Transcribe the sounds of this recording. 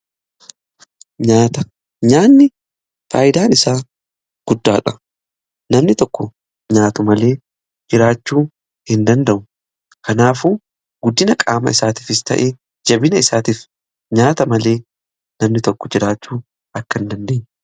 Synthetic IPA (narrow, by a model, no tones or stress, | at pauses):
ɲaːt̪ɐ | ɲaːnːɪ | fa̰ːjɪd̪aːnɪsaː | ɡ̥ʊd̪ːaːᶑɐ | nɐmnɪt̪ɔkːɔ | ɲaːt̪ʊmɐle̞ː | d͡ʒɪɾaːt͡ʃːuː | hɪnd̪ɐnd̪ɐʔʊ | kɐnaːfuː | ɡ̥ʊd̪ːɪnɐkʼaːmɐ̰ɪsaːt̪iːfɪst̪ʰɐ̰ʔeː | d͡ʒɐbɪnɐɪsaːt̪iːf | ɲaːt̪ɐmɐle̞ː | nɐmnɪt̪ɔkːɔd͡ʒɪɾaːt͡ʃːuː | ʔɐkːɐɪnd̪ɐnd̪eːɲː